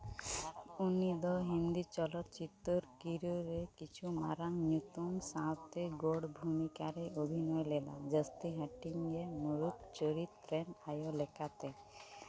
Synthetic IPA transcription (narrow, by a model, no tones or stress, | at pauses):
unid̪ɔɦind̪it͡ʃɔlɔt̪t͡ʃit̪ːɔɾkiɾoɾekit͡ʃʰumaɾaŋnjut̪umsãwt̪eɡoɽbʱumikaɾeʔobʱinɔjlela̰d͡ʒəst̪iɦaʈiŋemuɾut̪t͡ʃəɾit̪pɾenajolekat̪e